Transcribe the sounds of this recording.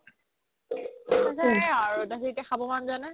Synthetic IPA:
asaɛaɹudaɦitɛxabɔmanzanɛ

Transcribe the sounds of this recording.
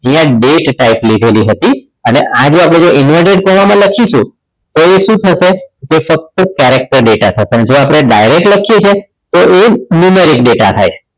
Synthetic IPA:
əĩjãɖeʈːaiplid̪ʱeliɦət̪i | əneʔad͡ʒoapɽ̃ed͡ʒoɪnʋaɖeɖ̚kəɾʋamãləkʰiʃṵ̃ | t̪oeʃũt̪ʰəʃekefək̚t̪okɛɾek̚ʈəɾɖeʈat̪ʰəʃeəned͡ʒoapɽ̃eɖajɾek̚ʈləkʰijet͡ʃʰe | t̪oenjumeɾik̚ɖeʈa̰t̪ʰa̰jt͡ʃʰe

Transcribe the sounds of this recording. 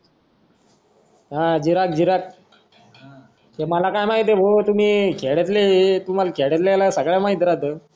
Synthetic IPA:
ɦãd͡ʑiɾak̚d͡ʑiɾak̚ | heməlakajmaɦit̪ebot̪um̤iːkʰeɭet̪̬let̪um̤alakʰeɽet̪lalasəɡɭjamaɦit̪ɾat̪ə

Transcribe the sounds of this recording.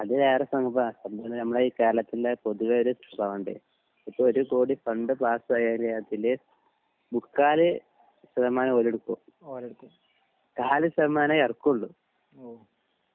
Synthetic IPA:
ɐðɨeːrɐsɐŋɡɐbaɐnd̪ɐnnɐmːɐɭeiːkaːlɐt̪ːilepoðuʋɐoɾusɐbɐʋuɳɖɨ̰ | ipːoːoɾukoːɽifɐɳɖɨpaːsɐjaːlɐjaːt̪ːile | bukːaːlɨ | sɐðɐmaːnɐmoleɽukːu | kːu | kaːlisɐðɐmaːnɐɐrkːuɭːu | o

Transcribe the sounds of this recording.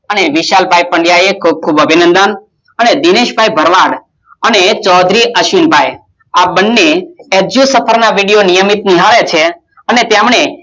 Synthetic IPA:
əneʋiʃalbʱajpəɳɖjajekʰub̚kʰubəbʱinə̃nd̪ən | əned̪ineʃbʱajbʱəɾʋaɽ | ənet͡ʃɔd̪ʱɾiʔəʃinbʱaj | abənːeɛd͡ʒusəpʰəɾnaʋiɽijonijəmit̪̚niɦaɭet͡ʃʰe | ənet̪jamɳe

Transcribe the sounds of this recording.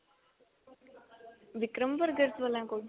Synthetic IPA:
ʋikɾəmbəɾɡəɾt̪ʋəlãko

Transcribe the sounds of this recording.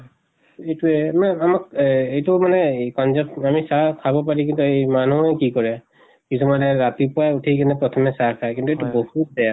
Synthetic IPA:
etuɛmamakejtumanɛkɔnzɔpamisakʰabɔp̬aɹik̬intuemanuɛkikɔɹɛ | kisʰɔmalɛɹat̪ipɔautʰikanɛpɹɔt̪ʰɔmɛsakʰaɛkintuetubohut̚dɛja

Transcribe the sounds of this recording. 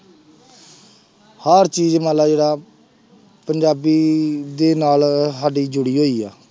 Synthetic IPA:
həɾt͡ʃiːzmaːlaːd͡ʒeːɽaː | pəɲd͡ʒaːbiːd̪eːnaːlɦaːɖiːd͡ʒʊɽiːɦoːiːaː

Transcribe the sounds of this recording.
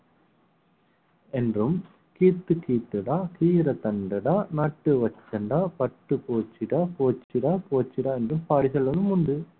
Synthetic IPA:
ɛndrɯm | kiːt̪ːɯkiːʈ̪ːɯɽaːkiːɾɐt̪ɐɳɖɐɽaːnaːʈːɯʋɐt͡ʃːɐɳɖaːpɐʈːɯpoːt͡ʃːɪɽaːpoːt͡ʃːiɽaːpoːt͡ʃːɪɽaːɛndrɯmpaːɽisɛlːɐnɯmʊnɖɯ

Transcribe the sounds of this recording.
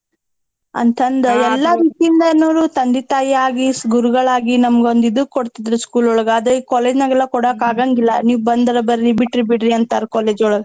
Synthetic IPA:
ɐ̰nt̪ʰɐnd̪ɐɛlːɐʋit̪ːind̪ɐnoːɾut̪ɐnd̪it̪aːjiaːɡisɡuɾuɡɐɭaːɡinɐmɐɡeond̪id̪ukoɽt̪id̪ɾuskuːlɔɭɐɡɐːd̪ɐikɔːleːd͡ʒnɐɡɐlːɐkɔɽakaːɡaːŋɡilːɐ̰niːʋubɐnd̪ɐɾɐbɐɾibiʈɾibiɽɾiɐnt̪aːɾɐkɔːleːd͡ʒɔɭɐɡɐ

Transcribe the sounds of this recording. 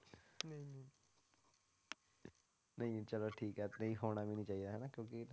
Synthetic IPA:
nɐɦĩnĩ | nɐɦĩt͡ʃɐloʈʰiːkɦɛːt̪nɐĩɦoːñabʱinĩt͡ʃaːɦid̪aɦɛnakjõːki

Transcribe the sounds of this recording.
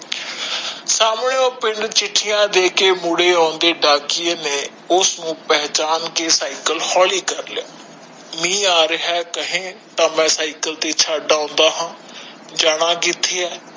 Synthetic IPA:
saːmɳeːoːpɪɳɖt͡ʃɪʈʰːɪjãːd̪eːkeːmʊɽeːaːnd̪eːɖaːkɪeːneː | ʊsnũːpɛɦt͡ʃaːnkeːsaːikəlhɔːliːkəɾlɪaː | mĩːaːɾəɦɛːkəɦẽːt̪ãːmɛ̃ːsaːɪkəlt̪eːt͡ʃʰaːɖaːõːnd̪aːɦãː | d͡ʒaːɽãːkiːt̪ʰːeːɛː

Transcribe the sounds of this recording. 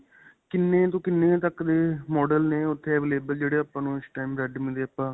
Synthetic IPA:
kɪnːẽːt̪õːkɪnːẽːt̪əkd̪eːmɔːɖəlneːʊt̪ʰːeːɛːʋeːleːbəld͡ʒeːɽeːaːpːãːnũːɪsʈaːimɾɛɖmẽːd̪eːapːãː

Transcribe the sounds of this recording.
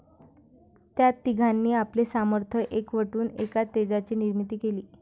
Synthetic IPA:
t̪jat̪ːiɡʱanːiːaplesaməɾt̪ʰəʔekʋəʈuːnekat̪ːed͡zat͡ɕiːniɾmit̪iːkeliː

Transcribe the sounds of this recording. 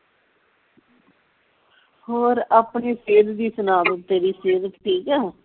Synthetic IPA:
hoːɾaːpniːseːd̪d̪iːsʊnaːd̪ət̪t̪ːeːɾiːseːd̪ət̪ʈʰiːkɛː

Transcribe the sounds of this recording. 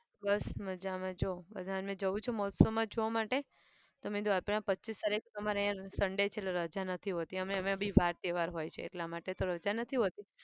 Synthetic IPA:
bəsməd͡ʒamãd͡ʒobə̰d̪ʱanmẽd͡ʒəʋũt͡ʃʰomɔɦt̪somãd͡ʒoʋamaʈe | t̪omĩd̪oapɽ̃ãpətːt͡ʃist̪aɾekt̪əmaɾejãsəɳɖet͡ʃʰeʈleɾəd͡ʒanət̪ʰiɦot̪iəmneəmebʱiʋaɾt̪eʋaɾɦojt͡ʃʰḛːʈlamaʈet̪oɾəd͡ʒanət̪ʰiɦot̪i

